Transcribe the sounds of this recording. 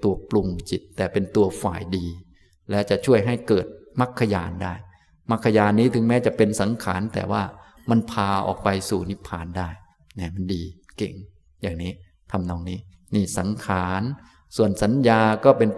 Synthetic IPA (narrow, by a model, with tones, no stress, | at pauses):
t̪u˧˩ɐplu˧ŋt͡ɕi˨˩t̪ːɛː˨˩pe˧nt̪u˧ɐfa̰ː˨˩jdiː˧ | lɛː˦˥wt͡ɕa˨˩ʔt͡ɕʰu˥˩əjɦa˥˩jkɤː˨˩t̪̚ma˦˥˩kʰːa˧jaː˧ndaː˥˩j | ma˦˥˩kʰːa˧jaː˧nːiː˦˥t̪ʰɯ˨˩˦ŋmɛː˦˥t͡ɕa˨˩pe˧nsa˩˦ŋkʰa̰ː˩˦nt̪ɛ̰ː˨˩waː˥˩ | ma˧npʰaː˧ʔɔ̰ː˨˩k̚pa˧jsuː˨˩ni˦˥pʰːaː˧˩ndaː˥˩j | nɛ˦˥˩ma˧ndiː˧kḛ˨˩ŋ | jaː˨˩ŋniː˦˥ | t̪ʰa˧mnɔː˧ŋniː˦˥ | niː˥˩sa˩˦ŋkʰaː˩˦n | su˨˩ənsa˩˦njaː˧kɔː˥˩pe˧n